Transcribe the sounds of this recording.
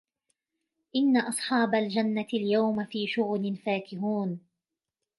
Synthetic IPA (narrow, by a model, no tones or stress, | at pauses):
ʔɪnːaʔɑsˤħɑːbald͡ʒanːatɪljawmafiːʃʊɣlɪnfaːkɪɦuːn